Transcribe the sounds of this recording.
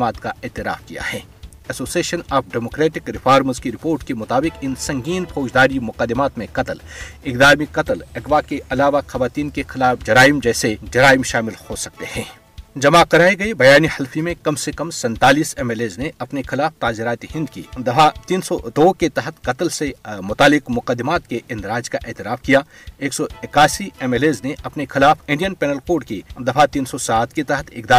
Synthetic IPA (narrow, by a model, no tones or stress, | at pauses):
maːt̪kaʔeːt̪ɪɾa̰ːfkija̰hɛː | ɛsoːsieːʃənaːpʰɖɛːmoːkɾeːʈɪkɾɪfʰaːɾməɾskiɾɪpoːɾʈkemʊt̪aːbɪqɪnsɐ̃ŋɡiːnfoːd͡ʒd̪aːɾimʊqəd̪ːɪmaːt̪mẽqɐt̪lɪkd̪aːmiqɐt̪əlɛkʋakeʔɐlaːʋaxɐʋaːt̪iːnkexɪlaːfd͡ʒɐɾaːɪmd͡ʒɛːsed͡ʒɐɾaːɪmʃaːmɪlhosɐk̚t̪ehɛ̃ː | d͡ʒɐmakɐɾaːeɡɐebɐjaːnihɐlfimẽkɐmsekɐmsɛ̃nt̪aːliːsɛmeːleːzneɐpnexɪlaːft̪aːzɪɾaːt̪iɦɪ̃nd̪̚kḭd̪ɐfat̪iːnsɔd̪oːket̪ɐɦət̪qɐt̪əlsemʊt̪aːlɪqmʊqəd̪ːɪmaːt̪keʔɪ̃nd̪ɾaːd͡ʒkaʔeːt̪ɪɾaːfkijaː | eːksɔɪkaːsiɛmeːleːzneʔɐpnexɪlaːfɪ̃ɳɖijənpɛːnəlkoːɖkid̪ɐfat̪iːnsɔsaːt̪ket̪ɐɦət̪ʰɪkd̪aː